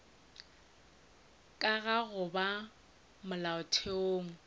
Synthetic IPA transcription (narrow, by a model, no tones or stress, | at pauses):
kʼaɣaɣʊba | mʊlaʊtʰeoːŋ̩